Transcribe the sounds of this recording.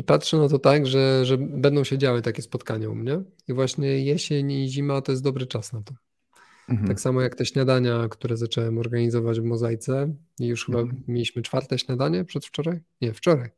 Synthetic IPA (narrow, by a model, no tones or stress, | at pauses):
ipatʂɛnat̪ɔt̪aɡʐɛʐɛbɛnd̪ɔ̃w̃ɕɛd͡ʑawɘt̪akʲɛspɔt̪kaɲaṵmɲɛ | ivwaɕɲɛjɛɕeɲiʑimat̪ɔjɛs̬t̪d̪ɔbɾɘt͡ʂasnat̪ɔ | aksamɔjakt̪ɛɕɲad̪aɲakt̪uɾɛzat͡ʂɛwɛmɔɾɡaɲizɔvad͡ʑvmɔzajt̪sɛ | ijuʂxɘbamʲelʲiɕmɘt͡ʂfaɾt̪ɛɕɲad̪aɲɛpʂɛt̪ft͡ʂɔɾajɲɛft͡ʂɔɾaj